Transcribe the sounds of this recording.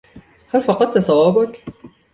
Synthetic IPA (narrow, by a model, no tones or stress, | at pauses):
halfɑqɑd̪̚t̪ɑsˤɑwɑːbak